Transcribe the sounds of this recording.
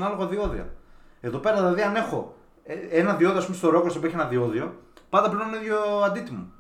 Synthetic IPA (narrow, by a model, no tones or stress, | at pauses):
nɐlo̞ɣoðio̞ðḭɐ̰e̞ðo̞pe̞ɾɐðilɐðiɐne̞xo̞ | ee̞nɐðio̞ðioɐspumest̪o̞ɾo̞kosepeçenɐðio̞ðio̞pɐnd̪ɐpleniðʝoɐnd̪it̪imu